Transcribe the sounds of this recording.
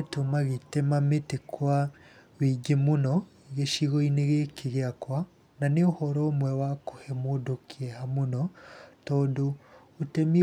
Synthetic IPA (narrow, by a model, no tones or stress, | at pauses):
tomaɣetemametekʰwa | wiɡemonɔ | ɣeʃiɣoineɣekeɣeakwa | naneohɔɾɔːmwɛwakohɛmodokʰeɛhamonɔtɔːndoː | tɛmi